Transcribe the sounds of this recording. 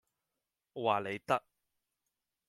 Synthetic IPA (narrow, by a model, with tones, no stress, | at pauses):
waː˨le˨˧jt̪ɐ˥k̚